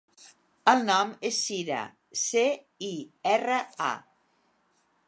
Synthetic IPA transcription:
əlˠnɔmesːiɾə̰ | se | iɛrəa̰

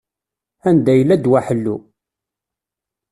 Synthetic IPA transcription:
ænd̪æjəlːæd̪wæħəlːu

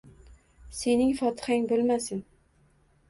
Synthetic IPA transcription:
se̞nɪŋfɒt̪ʰɪ̥haŋbolˠmasɪn

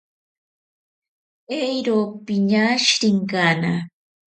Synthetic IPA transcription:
ejɾopɪɲaʃɾɪŋkaːna̰

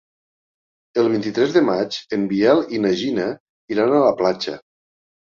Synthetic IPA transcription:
əlˠβ̞int̪it̪ɾɛzðəmat͡ʃembiɛlinəʒinə | iɾanələplat͡ʃə̰

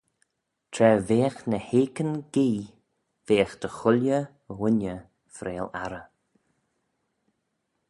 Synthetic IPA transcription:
t̪ʰɾɛveːxnəheːkənɡ̥iː | veːxd̪̥əxʊlʲjə | wʊnə | fɾeːla̰ɾə

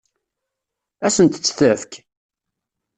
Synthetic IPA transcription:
æsənt̪t͡sːθəfk

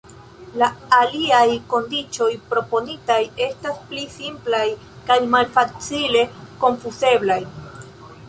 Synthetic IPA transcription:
laːliajko̞ndit͡ʃo̞jpɾo̞po̞nitaje̞stasplisimplaj | kajmalfat͡sile̞ko̞nfuse̞blaj

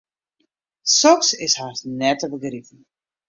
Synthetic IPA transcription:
sɔksɪshasnɛtəbəɡritn̩

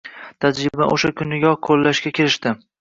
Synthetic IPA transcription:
t̪ʰad͡ʒɾɪbaʔo̰ʃakʰʲʊnɪɡʲɒkʰolːaʃkʲakʲʰeɾɪʃt̪ɪ

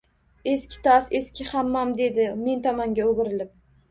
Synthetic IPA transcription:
e̞skʲɪ̥t̪ʰɒseskʲʰɪhamːamd̪e̞d̪ɪme̞nt̪ʰɒmɒŋɡʲaoɡɪɾɪlɪp̚

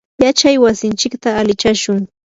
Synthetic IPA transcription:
jat͡ʃajwasɪnt͡ʃɪkt̪aːlɪt͡ʃaʃʊŋ

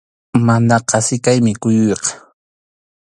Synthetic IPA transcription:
manɑqɑsɪkajmɪkʊjʊjqɑ̥

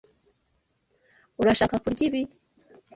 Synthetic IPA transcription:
uɾaʃaːkakuɾɟiβi

